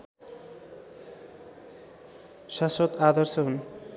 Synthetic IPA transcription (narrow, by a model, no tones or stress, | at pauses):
ʃasot̪ad̪ʌɾson